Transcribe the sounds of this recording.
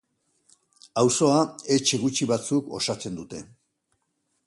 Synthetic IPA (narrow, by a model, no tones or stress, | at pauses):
awso̞ae̞t͡ʃe̞ɣ̞ut͡ʃiβat͡suko̞̰sat͡se̞nd̪ut̪e̞